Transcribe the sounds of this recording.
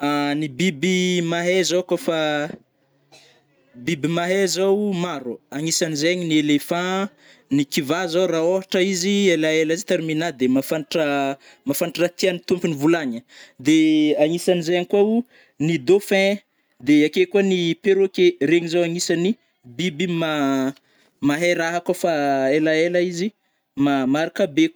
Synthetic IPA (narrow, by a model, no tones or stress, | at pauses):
anibibimaɦezakafa | bibimaɦezawmaɾuaŋisanizeaɲinielefã | nikivazaraoɦaʈ͡ʂəizielaelizit̪aɾminad̪emafaʈ͡ʂə | mafanʈ͡ʂat̪ianit̪umpinivulaɲəd̪eaŋisanizeaɲikwau | nid̪ofɛ̃ | d̪eakekuanipeɾokeɾeɲizawaŋisani | bibima | maɦeɾaɦakafaelaelaizi | mamaɾakabek